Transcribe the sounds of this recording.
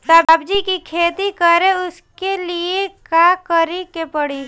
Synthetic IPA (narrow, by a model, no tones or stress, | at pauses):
t̪abbd͡ʒikikʰeːt̪ikəɾeʊskeliekakəɾikepɐɽi